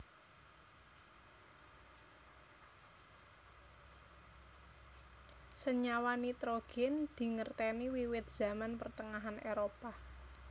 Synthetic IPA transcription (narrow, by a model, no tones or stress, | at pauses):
səɲawanit̪ɾoɡ̥ɛnd̪̥i̤ŋərt̪ɛniwiwɪt̪̚z̥a̤manpərt̪əŋaɦaneɾopa